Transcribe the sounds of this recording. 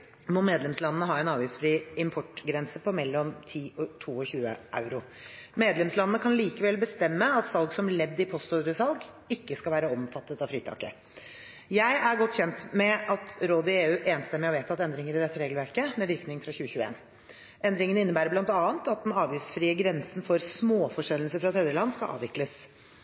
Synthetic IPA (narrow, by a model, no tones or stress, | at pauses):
mɔmeːd̪lɛmslɑnːənəɦɑːɛnɑːʋjʉsfɾiːɪmpʰɔʈɡɾɛnsəpʰɔmɛlːɔmt̪ʰiːɔt̪ʰuːɔçʉːə̰ʔa̰ʉɾʊmeːd̪lɛmslɑnənəkʰɑnliːkəʋɛlbəst̪ɛmːəɑt̪sɑlˠɡsɔmlɛd̪ːɪpʰɔst̪uɾəsɑlˠɡ | ɪkːəskɑʋæːɾəɔmfɑt̪ːət̪ɑʋfɾiːt̪ʰɑ̰ːkə̰ | jæɪʔæɾɡɔt̪ːçɛnt̪mɛʔɑt̪ɾoːd̪ɪeːʉːʔeːnst̪ɛmːɛɔʋeːt̪ʰɑt̪ɛnd̪ɾɪŋəɾɪd̪ɛt̪ːəɾeːɡl̩ʋæɾkəmɛʋɪɾknɪŋfɾɑçʉːəçʉːəḛːn | ʔɛnd̪ɾɪŋənɪnːəbæːɾəblɑnt̪ɑːənt̪ɑt̪̚d̪ɛnɑːʋjʏftsfɾiːəɡɾɛnsn̩fɔɾsmoːfɔʂɛlːəl̩səfɾɑt̪hɛːd̪ɾəlɑnːskɑ̰ʔɑ̰ːʋɪkləs